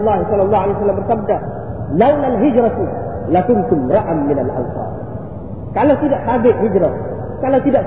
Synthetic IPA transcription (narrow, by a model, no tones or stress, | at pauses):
lːahisɔlːɑlˤːɑːualejwas̬alːambərsab̚da | lawnalɦɪd͡ʒɾat̪u | lakʊnt̪ʊmɾˤaʔamːɪnalʔa̰wsɑ̰ː | kalawt̪idaʔt̪abɪʔɦɪd͡ʒɾa | kalawt̪idaʔ